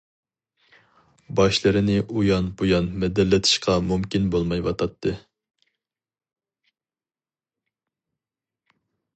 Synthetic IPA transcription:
bɑʃlˠɨɾɨnɪʔujɑnbojɑnmɛd̪ɛlːɪt̪ʰɪ̥ʃqʰɑmumkʲinbolˠmɑjwɑt̪ʰɑt̪ʰːɨ

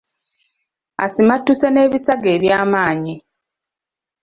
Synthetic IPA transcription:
a̰simatːusene̞ːβisaɡe̞ːβjaːmaːɲi

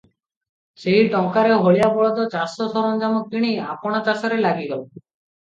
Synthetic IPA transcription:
seɦiʈɔŋkaɾeɦoɭijabɔɭɔd̪ɔt͡ɕasɔd̪ʱɔɾɔnd͡ʒamokiɽ̃eja̰pɔɽ̃at͡ɕasɔɾelaɡiɡɔlɔ

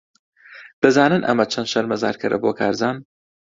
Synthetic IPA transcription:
b̥ɨzaːnɨnʔɐ̰mɐt͡ʃʰɐnd̪ʃɐɾmɐza̰ːɾkʰɨɾɐ̰boːkʰaːɾzaːn

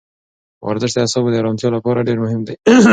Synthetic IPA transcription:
wa̰ɾzɪʃd̪əasɑbed̪əɾɑnt̪jɑlapɑɾaɖeɾmʊhɪmd̪e

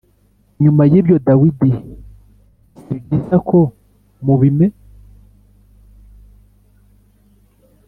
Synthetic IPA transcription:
ɲumajibjo̞dawidi | iɟisakʰo | muβime

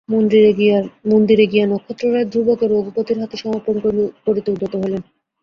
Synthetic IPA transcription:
mieiamond̪iɾeɡianɔkʰːot̪ːɾoɾaed̪ʱɾubokeɾoɡpot̪iɾɦat̪eʃɔmoɾponkopoɾit̪ouɖ̪ʱot̪oɦolen

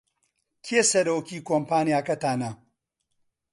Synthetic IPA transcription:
kʰeːsɐɾoːkiːkoːmpaːnijaːkɐtaːnɐ

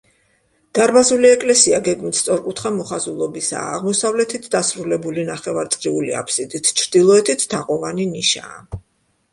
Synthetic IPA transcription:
d̪̥aɾbazuliɛkʼlɛsiaɡɛɡmit̪st̪sʼɔɾkʼut̪ʰχamɔχazulˠɔbisa̰ːʁmɔsavlɛt̪ʰit̪ʰd̪asɾulɛbulinaχɛvaɾt̪sʼqʼɾiulḭa̰pʰsid̪it̪ʰt͡ʃʰɾd̪̥ilˠɔɛt̪ʰit̪ʰt̪ʰːaqʼɔvaniniʃa̰ː

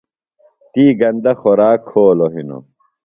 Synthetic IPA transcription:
t̪iːɡɐnd̪ɐxoɾaːkʰːoːloɦino̰

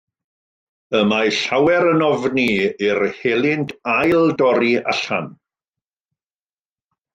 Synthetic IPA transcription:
əmaɬawɛɾənɔvniɪrhelˠɪndajlˠdɔɾiʔaɬa̰n

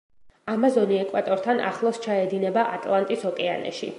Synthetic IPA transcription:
amazɔniɛkʼwat̪ʼɔɾt̪ʰana̰χlˠɔst͡ʃʰaɛd̪inɛbaʔat̪ʼlˠant̪ʼisɔkʼɛanɛ̰ʃḭ

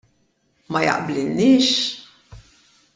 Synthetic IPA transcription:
mɐjɐ̰ʔblɪlniːʃ

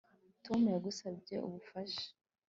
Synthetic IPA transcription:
tʰo̞mujaɡusabɟe̞̰ṵβufaʃḁ

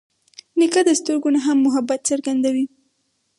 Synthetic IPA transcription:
nikad̪əst̪əɾɡonaɦamːʊɦabat̪səɾɡand̪awi

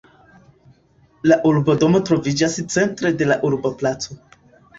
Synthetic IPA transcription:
laʔuɾbodo̞mo̞tɾo̞vid͡ʒast͡se̞ntɾe̞de̞laʔuɾboplat͡so̞

